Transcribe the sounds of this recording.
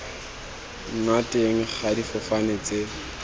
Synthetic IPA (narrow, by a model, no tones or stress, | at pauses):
ŋ̩ŋatʼeŋ̩χʰadifʊfanet͡se